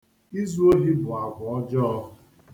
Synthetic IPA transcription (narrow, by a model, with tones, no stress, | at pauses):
i˦zu˦o˦ɦi˦bʊ˨a˨ɡʊ˨ɔ˦d͡ʒɔ˦ɔ˦ʊ˦